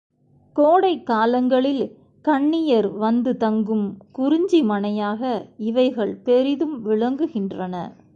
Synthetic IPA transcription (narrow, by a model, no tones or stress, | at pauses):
koːɽɐɪkːaːlɐŋɡɐɭɪl | kɐɳːɪjɐɾʋɐnd̪ɯt̪ɐŋɡɯmkʊɾɪɲd͡ʒimɐnɐjaːɣɐɪʋɐɪɣɐɭpɛɾɪðɯmʋɪɭɐŋɡɯɣɪndrɐnɐ